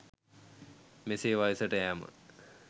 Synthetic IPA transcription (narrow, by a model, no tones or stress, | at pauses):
meseːʋajisəʈəɦæmə̰